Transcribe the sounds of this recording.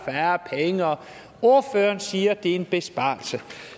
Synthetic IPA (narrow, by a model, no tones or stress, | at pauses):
fæːɐpʰeŋəɒ | o̝ɐføːɐnsiːɐd̥e̝e̝nb̥e̝sb̥ɑ̰̈ːlsə